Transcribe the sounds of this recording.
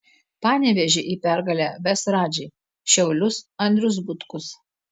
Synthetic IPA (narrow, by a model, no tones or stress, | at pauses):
pɑːnʲɛʋʲɛʒʲɪʔiːpʲæɾɡɐlʲæːʋʲɛsɾɑːd͡ʒʲɛɪ | ʃʲɛʊlʲʊsɐnʲd̪ʲɾʲʊs̬bʊt̪kʊs